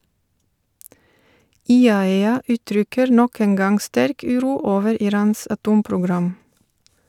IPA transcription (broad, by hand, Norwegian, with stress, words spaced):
ɪˈɑːɛɑ ˈʔʉːˌtɾʏkəɾ ˈnɔk ˈeːn ˈɡɑŋ ˈstæɾk ˈʉːˌɾuː ˈoːʋəɾ ɪˈɾɑːns ɑˈtuːmpɾʊˌɡɾɑm